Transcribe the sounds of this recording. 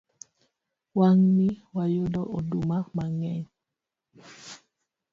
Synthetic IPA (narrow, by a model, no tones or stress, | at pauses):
waŋniwajodɔʔodumamaŋɛɲ